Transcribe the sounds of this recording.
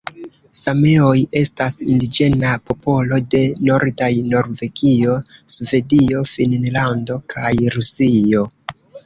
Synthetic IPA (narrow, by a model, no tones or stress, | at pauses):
same̞o̞je̞stasindid͡ʒe̞napo̞po̞lo̞de̞no̞ɾdajno̞ɾve̞ɡio̞sve̞dio̞finnlando̞kʰajɾusio̞